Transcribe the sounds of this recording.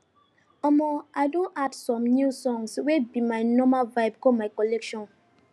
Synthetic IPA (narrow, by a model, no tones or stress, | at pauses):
ɔmɔajdõntadsɔ̃mnjusɔ̃ŋswɛbimajnɔmalvaɪbkɔmaɪkɔlɛkʃɔ̃n